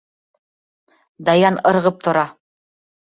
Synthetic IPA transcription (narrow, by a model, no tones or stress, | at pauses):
d̪ɑjɑnɤ̆ɾʁɤp̚t̪ŏɾɑ